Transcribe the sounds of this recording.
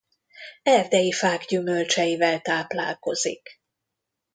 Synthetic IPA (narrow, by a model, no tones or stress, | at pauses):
ɛrd̪ɛjifaːɡɟymølt͡ʃɛjivɛlt̪aːpla̰ːlko̞zḭk